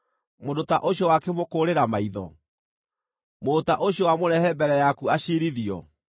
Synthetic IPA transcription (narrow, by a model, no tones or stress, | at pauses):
modotaʔoɕiɔwakemokoɾeɾamaiðɔ̰ | motaʔoɕjɔwamoɾɛhɛbɛɾɛjakuaɕeɾiðiɔ̰